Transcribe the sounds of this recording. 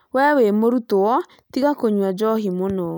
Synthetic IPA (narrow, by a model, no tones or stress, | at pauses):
wɛwemoɾutoɔ | tiɣakoɲwad͡ʒɔɦimonɔ